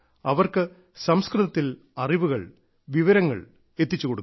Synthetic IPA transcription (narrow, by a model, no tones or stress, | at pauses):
ɐʋɐrkɨ | sɐmskrɨðɐt̪ːil | ɐriʋuɣɐ̰ɭ | ʋiʋɐɾɐŋːɐ̰ɭ | e̞t̪ːit͡ɕːukoɽukː